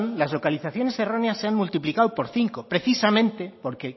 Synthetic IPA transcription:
nlazlo̞kaliθaθjo̞ne̞sero̞neasːe̞aŋmult̪iplikawpo̞ɾθiŋkopɾe̞θisamẽ̞nt̪e̞po̞ɾke̞

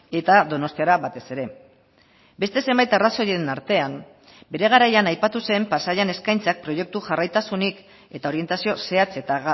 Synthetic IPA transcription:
e̞t̪aðo̞no̞st̪iaɾaβat̪e̞se̞ɾe̞ | be̞st̪e̞se̞mbajt̪araso̞jeɾenaɾt̪e̞am | be̞ɾe̞ɣ̞aɾajanajpat̪use̞mpasaʎane̞skajnt͡sak̚pɾo̞je̞k̚t̪uʝarajt̪asunik | e̞t̪ao̞ɾie̞nt̪asio̞se̞at͡se̞t̪aɣ

